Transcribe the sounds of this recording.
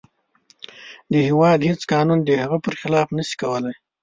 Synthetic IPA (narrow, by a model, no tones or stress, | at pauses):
d̪əhɪwɑd̪het͡skɑːnund̪əhaɣəpəɾxɪlɑfnəsi̥kawəlaj